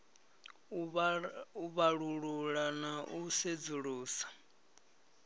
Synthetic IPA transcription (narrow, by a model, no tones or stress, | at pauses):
uβaɺuɺuɺanaʔused͡zuɺuːsḁ